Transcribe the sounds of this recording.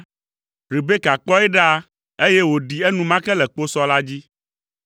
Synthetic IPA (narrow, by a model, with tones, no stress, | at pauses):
ɾi˨be˦ka˨k͡pɔ˦ɛ˦ɖa˦ | e˦je˦wo˨ɖi˨ɛ˦nũ˦mã˦kɛ˦lɛ˨k͡po˦sɔ˦la˦d͡ʑi˦